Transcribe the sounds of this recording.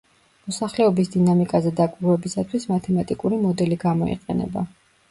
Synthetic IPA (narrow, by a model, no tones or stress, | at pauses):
mɔsaχlɛɔbisd̪inamikʼazɛd̪akʼɾwɛbisat̪ʰwismat̪ʰɛmat̪ʼikʼuɾimɔd̪ɛliɡamɔḭqʼɛ̰nɛ̰ba̰